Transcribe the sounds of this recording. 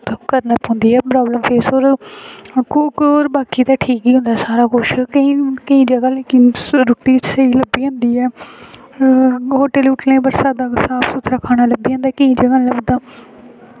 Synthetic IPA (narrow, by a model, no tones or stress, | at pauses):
t̪okəɾnəp̪ɦõːnd̪iːɛːpɾaːbləmpʰeːsoːɾ | kʊkoːɾbaːkiːt̪aːʈʰiːkiːɦʊ̃nd̪aːsaːɾaːkʊʃkəĩːkəĩːd͡ʒəɡaːleːkɪnɾʊʈiːsəiːləbiːɦõːnd̪iːɛː | ɦoːʈeːlʊʈlẽːp̬əɾsaːd̪ãːsaːbsʊt̪ʰɾaːkʰaːɽ̃aːləbiːɦõːnd̪aːkəĩːd͡ʒəɡaːləbd̪aː